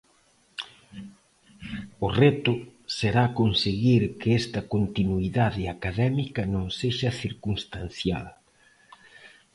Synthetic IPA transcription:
ʊrɛt̪ʊseɾakonseɣiɾkɪɛst̪ɐkont̪inuiðaðɪakaðɛmikɐnõŋseʃɐθiɾkuŋst̪anθja̰l

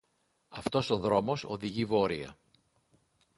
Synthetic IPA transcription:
ɐft̪o̞so̞ðɾo̞mo̞so̞ðiʝivo̞ɾiɐ̰

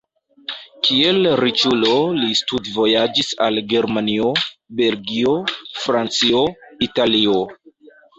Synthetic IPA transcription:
kʰie̞lɾit͡ʃulo̞listudvo̞jad͡ʒisalɡe̞ɾmaniobe̞lɡio̞fɾant͡sio̞italio̞

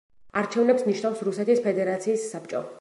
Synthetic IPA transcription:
aɾt͡ʃʰɛvnɛpsniʃnafsɾusɛt̪ʰispʰɛd̪ɛɾat̪sʰiːsːap̚t͡ʃʼɔ

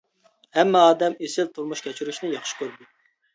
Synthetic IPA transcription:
hɛmːɛɑːd̪ɛmesɪlt̪ʰuɾmuʃkʲʰɛt͡ʃʰyɾyʃnɪjɑχʃkʲøɾd̪u

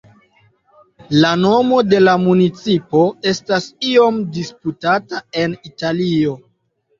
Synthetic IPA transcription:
lano̞mo̞de̞lamunit͡sipo̞e̞stasio̞mdisputatae̞nitalio̞

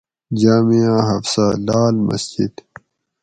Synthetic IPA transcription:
d͡ʑaːmijãːɦɐfsalaːlmɐ̰sd͡ʑid̪

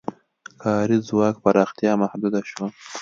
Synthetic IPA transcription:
kʰɑːɾizwɑːkpaɾɑxt̪jɑmahd̪ud̪aʃwa

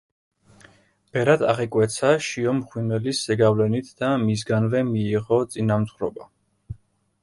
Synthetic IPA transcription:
b̥ɛɾad̪a̰ʁɛkʼwɛt̪sʰaʃiɔmχwinɛlisːɛɡavlɛnit̪ʰd̪̥amis̬ɡanvɛmiːʁɔt̪sʼinamzʁɾɔba

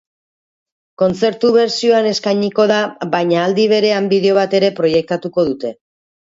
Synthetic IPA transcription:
ko̞nt͡se̞ɾt̪uβe̞ɾsio̞ane̞skajɲiko̞ðaβajɲaːld̪iβ̞e̞ɾe̞ambiðe̞o̞β̞at̪e̞ɾe̞pɾo̞je̞k̚t̪at̪uko̞ðut̪e̞

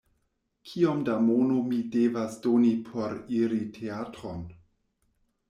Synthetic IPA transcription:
kʰiomdamonomidevasdonipʰoɾiɾitʰeatɾon

